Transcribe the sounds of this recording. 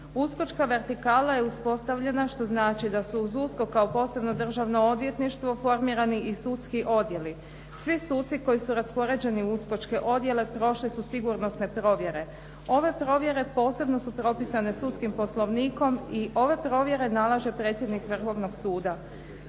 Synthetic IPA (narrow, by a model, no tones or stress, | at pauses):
usko̞t͡ʃkaʋe̞ɾt̪ikaːlaje̞uspo̞st̪aʋʎe̞naʃt̪o̞znaːt͡ʃid̪asuːzusko̞kːaopo̞ːse̞bno̞d̪r̩ʒaʋno̞od̪ʋje̞t̪niʃt̪ʋo̞fo̞ɾmiːɾaniisut̪skiʔo̞d̪je̞li | sʋisuːt̪siko̞jisuɾaspo̞ɾe̞d͡ʑe̞niusko̞t͡ʃke̞ʔo̞d̪je̞le̞pɾo̞ʃlisusiɡuɾno̞sne̞pɾo̞ʋje̞ɾe̞ | o̞ʋe̞pɾo̞ʋje̞ɾe̞po̞ːse̞bno̞supɾo̞pisane̞sut̪skimpo̞slˠo̞ʋniːko̞miʔo̞ʋe̞pɾo̞ʋje̞ɾe̞nalˠaʒe̞pɾe̞ːt̪sjed̪nikʋr̩xo̞ʋno̞ɡsuːd̪a